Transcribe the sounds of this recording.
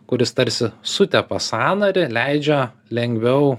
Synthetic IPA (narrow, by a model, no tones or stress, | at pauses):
kʊɾʲɪst̪ɐɾʲsʲɪsʊt̪ʲɛpɐsɑːnɐɾʲɪlʲɛɪd͡ʒʲɛ | lʲɛŋʲɡʋʲɛʊ